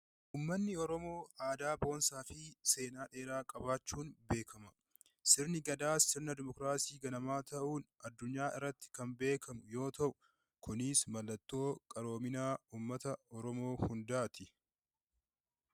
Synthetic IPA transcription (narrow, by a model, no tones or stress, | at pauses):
ʔuːmːɐnːɪɔɾɔmo̞ːʔaːd̪aːbo̞ːnsaːfɪse̞ːnaːᶑe̞ːɾaːkʼɐbaːt͡ʃːuːnbe̞ːkʰɐmɐ | sɪɾnɪɡɐd̪aːsɪɾnɐd̪ɪmɔkɾaːsiːɡɐnɐmaːt̪ɐʔuːnɐd̪ːʊɲːaːʔɪ̰rːɐt̪ːɪ̥kɐmbe̞ːkʰɐmʊjo̞ːt̪ɐʔʊ | kʊniːsmɐlːɐt̪ːo̞ːkʼɐɾo̞ːmɪnaːuːmːɐt̪ɐɔɾɔmo̞ːhʊnd̪aːt̪ɪ